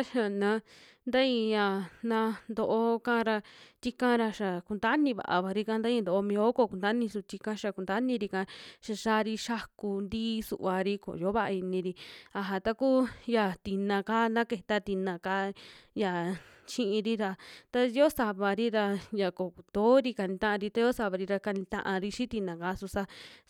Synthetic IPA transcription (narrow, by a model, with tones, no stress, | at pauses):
a˦ʃa˧˨nã˧˦ | nd̪a˦ĩ˧jã˧˨nã˧nd̪o˧ʔo˧kã˦˧ɾa˧t̪i˦kã˦ɾa˧ʃa˨ku˧nd̪a˦nĩ˧βa̰˨˧ʔa̰˨βa˨ɾi˧kã˧˦nd̪a˦ĩ˧nd̪o˧˨˧mĩ˧o˧˦ko˧˨ku˧nd̪a˦nĩ˧su˧t̪i˧kã˧ʃa˧ku˨nd̪a˦nĩ˧ɾi˧kã˧˦ʃa˧˨ʃa˧˦˧ɾi˧ʃa˦ku˧nd̪iː˦sṵ˧ʔβa˧ɾi˧ko̰˨jo˦βa˦ʔi˧nĩ˧ɾi˧a˧ɦa˧t̪a˧kuː˦ja˧t̪i˧nã˧ka˦nã˦ke˧˨t̪a˧t̪i˧nã˧ka˦ja˨ | t͡ʃĩ˦ʔĩ˧ɾi˦ɾa˧t̪a˧˦jo˦sa˧βa˧ɾi˦ɾa˧ja˨ko˨ku˨d̪̥o˨˦ɾi˧ka˧nĩ˧t̪ã˦ʔã˧ɾi˧t̪a˧˦jo˦sa˧βa˧ɾi˧ɾa˧ka˧nĩ˧t̪ã̰˧ʔã˧ɾi˧ʃĩ˦t̪i˧nã˨ka˧˦su˧sa˧˦